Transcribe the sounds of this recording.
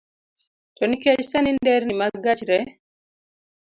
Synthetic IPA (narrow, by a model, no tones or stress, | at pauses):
tɔnikɛd͡ʒsanindɛɾnimaɡat͡ʃɾɛ